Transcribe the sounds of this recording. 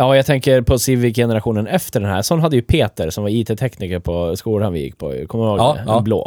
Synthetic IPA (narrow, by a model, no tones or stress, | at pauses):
jɑːjaɡt̪ʰɛŋkəɾpʰɔsivɪjɛnəɾaɧuːnənɛft̪əɖɛnhæ̰ːɾsɔnːɦad̪ːəjɵpʰeːt̪əɾsɔmvaɾiːt̪ʰeːt̪ʰɛkniːkəɾpʰɔskuːlanvɪ̰jɪ̰kːpʰɔ̰kʰɔmːənoːɡblo̰ː